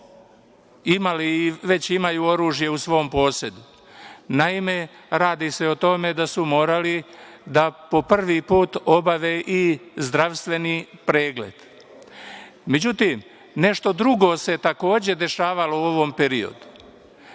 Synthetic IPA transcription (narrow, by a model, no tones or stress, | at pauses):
imaliːʋe̞t͡ɕimajuːo̞ɾuːʒje̞usʋo̞ompo̞ːse̞d̪u | naime̞ | ɾaːd̪ise̞o̞t̪o̞me̞d̪asumo̞ːɾali | d̪apo̞pr̩ʋipuːt̪o̞baʋeʔizd̪ɾaʋst̪ʋe̞nipɾeːɡle̞̰d̪̥ | me̞d͡ʑut̪iːm | ne̞ʃt̪o̞d̪ɾuɡo̞se̞t̪ako̞ːd͡ʑe̞d̪e̞ʃaːʋalouoʋompe̞ɾio̞̰d̪u̥